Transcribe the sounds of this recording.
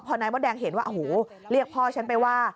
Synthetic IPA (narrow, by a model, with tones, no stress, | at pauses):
pʰɔː˧naː˧˦jbɔː˦˩dɛː˧ŋɦe˨˩˦nwaː˥˩ʔhoː˩˦ | ɾi˥˩ək̚pʰɔː˥˩t͡ɕʰa˦˥npa˧jwaː˥˩